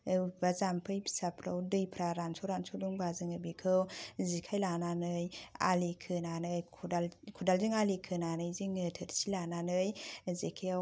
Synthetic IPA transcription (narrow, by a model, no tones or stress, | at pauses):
bazampʰɯjbi̥sapʰɾa̰wdɯjpʰɾaɾansɔɾansɔduŋbazɯŋɯbikʰɯwzikʰajlananɯja̰likʰɯnanɯjʰdalkʰudalziŋalikʰɯnanɯjziŋtʰɯɾsilananɯjzikʰajaw